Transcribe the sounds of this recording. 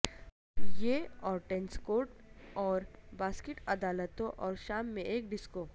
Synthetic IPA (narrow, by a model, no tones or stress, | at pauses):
jeɔːɾʈẽnskoːʈ̚ɔːɾbaːskɪʈɐd̪aːlət̪õʔɔːɾʃaːmːẽʔeːk̚ɖɪskoː